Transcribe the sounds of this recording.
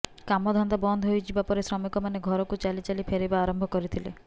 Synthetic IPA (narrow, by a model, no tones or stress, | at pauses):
kamɔd̪ʱɔnd̪abɔnd̪ʱɦojt͡ʃʰibapɔɾesɾɔmikɔmaneɡʱɔɾɔkut͡ʃalit͡ʃalipʰeɾebaːɾɔmbʱɔkɔɾit̪ʰilḛ